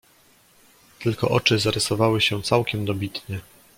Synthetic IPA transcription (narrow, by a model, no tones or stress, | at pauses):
t̪ɘlkɔ̰ʔɔt͡ʂɘzaɾʔɘsɔvawɘɕɛt̪sawkʲɛmd̪ɔbʲit̪ɲɛ